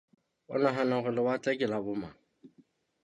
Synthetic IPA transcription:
ʊ̰naɦanaɣʊlɪwat͡sʼɛkʼɪlabʊma̰

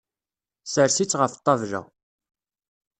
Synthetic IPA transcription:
səɾsit͡sːʁəft̪ˤːɑvʒæ̰

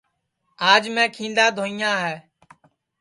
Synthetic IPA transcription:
aːd͡ʒmɛ̃ːkʰĩːnd̪aːd̪ʱoːĩːãːɦɛː

